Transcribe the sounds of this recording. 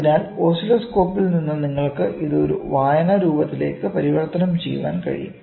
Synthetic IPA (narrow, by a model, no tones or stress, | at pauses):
inaːlo̞ːsilɐsko̞ːpːilninːɨniŋːɐɭkɨʔiðɨoɾṵʋaːjɐnɐɾuːbɐt̪ːile̞̰ːkːɨpɐɾiʋɐrt̪ːɐnɐmt͡ɕejːuʋa̰ːnkɐ̰ɻḭjṵm